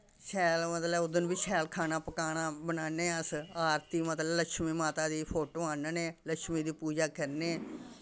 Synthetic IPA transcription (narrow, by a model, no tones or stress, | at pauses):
ʃʰɛːlmət̪ləʊd̪ənʋiːʃʰɛːlkʰaːnaːpəkaːnaːbənaːneːəsaːɾt̪iːmət̪lələkʃmiːmaːt̪aːd̪iːpʰoːʈoːãːnəneːləkʃmĩːd̪iːpuːd͡ʒaːkəɾneː